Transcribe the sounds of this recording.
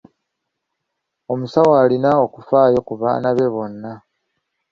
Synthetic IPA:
o̞musawaːlinaokufaːjo̞kuβa̰ːnaβe̞βo̞nːa

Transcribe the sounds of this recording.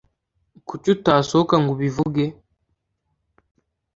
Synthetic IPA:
kucutasokaŋɡuβivuɡe

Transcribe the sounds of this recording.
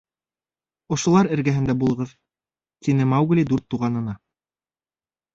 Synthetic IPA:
ŏʃŏlˠɑɾɘ̆ɾɡæɦɘ̆nd̪æbulˠɤ̆ʁɤð | t̪inɘmɑwɡ̆lʲid̪uɾt̪ːuʁɑnɤ̆nɑ

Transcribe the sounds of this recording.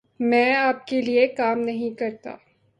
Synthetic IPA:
mɛ̃ːaːp̚keliekaːmnɐɦĩkɐɾt̪a̰ː

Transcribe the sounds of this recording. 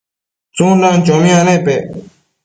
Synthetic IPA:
t͡sũːlãːnt͡ʃoːmɪjãːnẽːpeː

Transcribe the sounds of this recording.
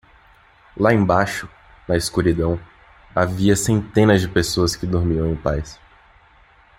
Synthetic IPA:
laẽbaʃʊ | nɐɪskuɾid̪ɐ̃w̃ | aviɐsẽnt̪ẽnɐzd͡ʒɪpesoɐskɪd̪oɾmiɐ̃w̃ẽpajs

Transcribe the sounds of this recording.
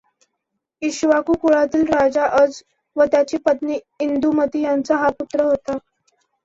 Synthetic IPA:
iɕʋakukuɭat̪iːlɾad͡zaʔəd͡z | ʋət̪jat͡ɕiːpət̪ni | ind̪uməd̪ʱijant͡saɦaput̪ɾəɦot̪a

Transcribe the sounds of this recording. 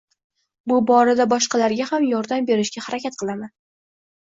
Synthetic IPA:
bʊbɒɾad̪abɒʃqʰɑlaɾɡʲahamjɒɾd̪ambe̞ɾɪʃɡʲahaɾakʲat̪̚qʰɨlˠaman

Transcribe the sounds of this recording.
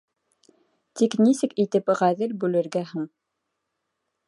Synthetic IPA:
t̪iknisɘkit̪ɘpʁæðɘlbʉlɘ̆ɾɡæɦɘɴ

